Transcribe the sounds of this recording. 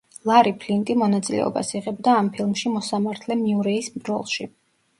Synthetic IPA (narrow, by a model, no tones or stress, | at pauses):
lˠaɾipʰlint̪ʼimɔnat̪sʼilɛ̰ɔ̰ba̰siʁɛbd̪aːmpʰilˠmʃimɔsamaɾt̪ʰlɛmiuɾɛisbɾɔ̰lˠʃi